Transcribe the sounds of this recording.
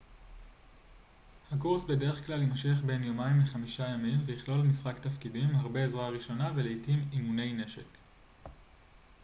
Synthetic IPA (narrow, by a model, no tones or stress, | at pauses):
hakuʁsbe̞de̞ʁeχklalimʃeχbe̞njomaimleχamiʃajamimvejiχlo̞lmisʁaktafkidimlhaʁbeːzʁaʁiʃo̞naveleitimimune̞jne̞ʃe̞k